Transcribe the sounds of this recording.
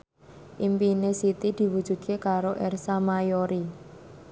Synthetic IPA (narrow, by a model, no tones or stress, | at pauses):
ʔimpinesit̪id̪̥i̤wud̥ʒ̥ṳd̪̥̚kekaɾoʔɛrsamajoɾi